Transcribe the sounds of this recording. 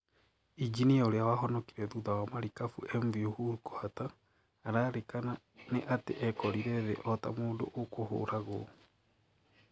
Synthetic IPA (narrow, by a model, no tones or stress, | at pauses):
id͡ʒinioɾeawaɦonokiɾɛðuðawamaɾikafṵʔeɱviohuɾkoataː | ɾaɾekana | neʔatḛʔɛkoɾiɾɛðḛʔɔta̰moːndo̰ʔokoho̰ɾaɣo̰